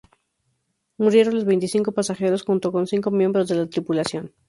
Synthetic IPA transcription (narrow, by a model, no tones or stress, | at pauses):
muɾje̞ɾo̞nlo̞zβe̞jnt̪isiŋko̞pasaxe̞ɾo̞sxunt̪o̞ko̞nsiŋko̞mje̞mbɾozðe̞lat̪ɾipulasjo̞n